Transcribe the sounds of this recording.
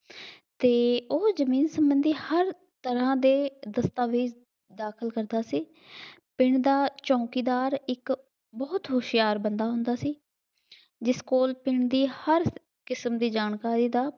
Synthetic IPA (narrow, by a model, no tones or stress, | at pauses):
t̪eːoːzəmiːnsəmbənd̪iːhəɾ | t̪əɾãːd̪eːd̪əst̪aːʋiːd͡ʒ | d̪aːkʰəlkəɾd̪aːsiː | pɪɳd̪aːt͡ʃɔ̃ːkiːd̪aːɾɪk | bɔːt̪ɦoːʃɪjaːɾbənd̪aːɦʊ̃nd̪aːsiː | d͡ʒɪskoːlpɪɳd̪iːhəɾ | kɪsəmd̪iːd͡ʒaːɳkaːɾiːd̪aː